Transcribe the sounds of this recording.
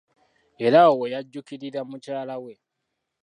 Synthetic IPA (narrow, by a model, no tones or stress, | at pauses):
e̞ɾawojaɟːukiɾiɾamucaːlawe̞